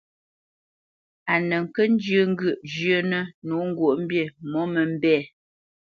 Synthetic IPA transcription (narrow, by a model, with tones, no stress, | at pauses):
a˨nə˨ŋ̩˨kə˦n̩˦d͡ʒə˦˨ŋ̩˦ɡə˦˨ʔd͡ʒjə˦nə˦nu˨˦ŋ̩˦ɡwo˨ʔm̩˦bje˦˨mɔ˦mə˨m̩˦bɛː˦˨